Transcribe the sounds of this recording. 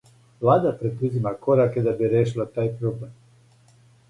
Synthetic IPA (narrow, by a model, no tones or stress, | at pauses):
ʋlˠaːd̪apɾed̪uzimakoɾaked̪abiɾeːʃ̬ilat̪aːjpɾoblem